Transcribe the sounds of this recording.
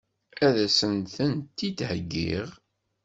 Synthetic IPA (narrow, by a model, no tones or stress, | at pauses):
æðæsənθənt̪ːit̪həɡːḭʁ